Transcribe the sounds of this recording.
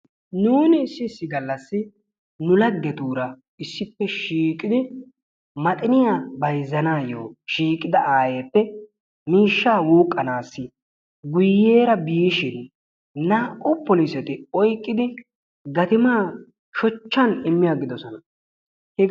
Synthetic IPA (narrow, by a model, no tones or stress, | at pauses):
nuːnɪːsːɪːsːɪɡɐlːɐsːɪ | nʊlɐɡːɛt̪uːɾɐ | ɪsːɪpːɛʃiːkʼːɪd̪ɪ | mɐt̪ʼɪnɪjabɐjzːɐnaːjoːʃiːkʼɪd̪ɐʔaːjeːpːɛ | miːʃːaːwuːkʼːɐnaːsːɪ | ɡʊjːe̞ːɾɐbɪjɪʃɪn | naːʔʊpːɔlisɛt̪ɪɔjkʼːɪd̪ɪ | ɡɐt̪ɪmaː | ʃɔt͡ʃːɐnɪmːɪjaɡɪd̪ɔsɔnɐ | hɛ